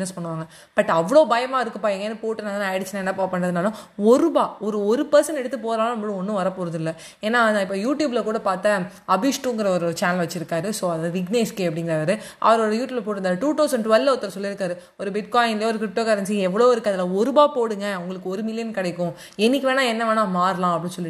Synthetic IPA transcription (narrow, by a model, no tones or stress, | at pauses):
nɐspɐɳːɯʋaːŋɡɐ | b̥ɐʈːɐʋːɐɭoːbɐjɐmaːɪɾɯkːɯpaːʋiŋɡenːɯpoːʈːɯnaːðnaɐɽɯt͡ʃːɪnaːɛnːɐpoːpːɐɳɾɐðɯnaːlɐ̃ɔɾɯbaːɔɾɯɔɾɯpɛɾsɐnɛɽɯt̪ːɯpoːɾaːlɐ̃ɐʋɐɽʊ̃ɔnːɯ̃ʋɐɾɐpoːɾɐðɯlːɐ | eːnːaːɪpːoːjuːʈjuːblɐkuːɽɐpaːɾt̪a | ɐbɪʂʈuŋɡɐɾɐɔɾɯt͡ʃaːnɐlʋɐt͡ʃːɪɾɯkːaːɾɯsoːɐðaːðɯʋɪɡneːskeːɐpːɐɽɪŋɡɪɾaːɾɯʔɐ̰ʋɐɾɔɾɯjuːʈjublɐp̬oːʈːɾɯnd̪aːɾɯʈuːt̪ɐʊsɐɳɖʋɛlʋɔt̪ːɐɾɐsɔlːɪɾɯkːaːɾɯ | ɔɾɯbɪʈkaːjɪnlɐjɔɾɯkɾɪp̚ʈoːkɐɾɐnsiɛʋːɐɭoːɪɾɯkːɯɐðɐlãːɔɾɯbaːpoːɽɯŋɡɐʊŋɡɐɭɯkːɯɔɾɯmɪlɪjɐnkɐɽɐɪkːʊ̃ | ɛnːɪk̬ʲːiʋeːnaːɛnːɐʋɐːnãːmaːɾlãːɐpːɐɽĩsɔlːɪ